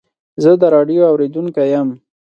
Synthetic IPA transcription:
zəd̪əɾɑɖjoawɾed̪uŋkajəm

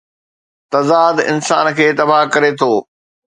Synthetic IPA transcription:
t̪ɐzaːd̪ɪ̰nsa̰ːnkʰeːt̪ɐbaːɦkɐɾet̪ʰoː

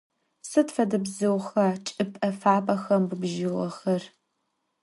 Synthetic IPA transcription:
sɨtfɐdɐbzɨwxɐt͡ʃʼɨpʼɐfaːpʼɐxɐmbubʒɪʁɐxɐr

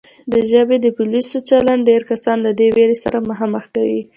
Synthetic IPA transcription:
d̪əʒəbed̪əpʊlisot͡ʃalaɳɖɖeɾkasɑnlad̪eweɾesa̰ɾamʊɦɑməxkawḭ

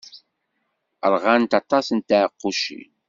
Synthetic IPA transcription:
əɾʁant̪ɑt̪ˤɑsənt̪əʕəqːuʃḭ

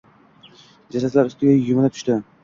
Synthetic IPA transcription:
d͡ʒasat̪laɾʊst̪ɪɡʲajʊmɪd̪at̪ʰʊ̥ʃt̪ɪ

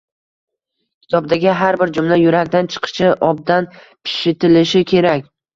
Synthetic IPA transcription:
kʲʰɪ̥t̪ʰɒb̚d̪aɡʲɪɦaɾbɪɾd͡ʒʊmlajʊɾakʲd̪ant͡ʃʰɨ̥qʰɨ̥ʃɪʔɒb̚d̪an | pʰɪ̥ʃɪt̪ʰɪlɪʃɪkʲʰe̞ɾakʲ

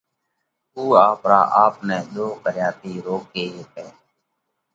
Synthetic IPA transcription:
uːaːpɾa̰ːʔaːpnɛ̃ːɗ̪oːkəɾjaːt̪iːɾoːk̚ɡeːəkɛː

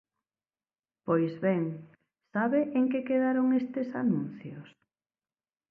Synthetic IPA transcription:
pojzβɛŋ | saβeʔeŋkekeðaɾoŋest̪esanũnθjos

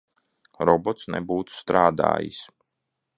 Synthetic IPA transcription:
ɾɔbɔt̪snɛ̰buːt̪u̥st̪ɾaːd̪a̰ːjḭs

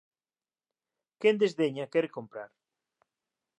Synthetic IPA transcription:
kend̪ezðeɲakɛɾkompɾa̰ɾ

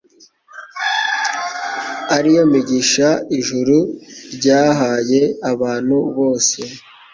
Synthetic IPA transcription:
aɾijo̞miɟiʃaiʒuɾuɾɟaːɦaje̞aβaːn̥huβo̞ːse̞

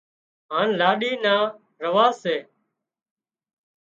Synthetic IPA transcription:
ɦaːnlaːɗiːnaː | ɾəʋaːeː

